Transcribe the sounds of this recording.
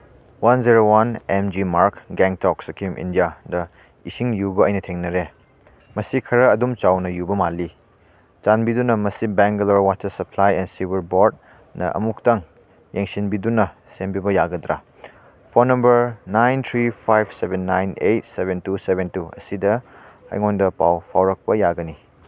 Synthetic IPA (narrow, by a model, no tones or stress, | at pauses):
wanziɾowanemd͡ʒimaɾkɡɛŋtɔk̚sɐkʰimʔḭndijadɐ | isiŋjuɡɐɐjnɐtʰeŋnɐɾe | mɐsikʰɐɾɐːdumt͡ʃawnɐjubɐmalːi | t͡ʃanbidunɐmɐsibɛŋɡɐloɾwatːɐsɐpʰlajɛnsibiɾboɾd̚ | nɐ̰ɐ̰muk̚taŋ | jeŋsinbidunɐ | senbibɐjaɡɐdɾa | pʰonɐmbɐɾnajnt̪ʰɾipʰajbsebenːajnejt̚sebentusebentuɐ̰sidɐɐ̰jŋondɐpa̰wpʰawɾɐk̚pɐjaɡɐni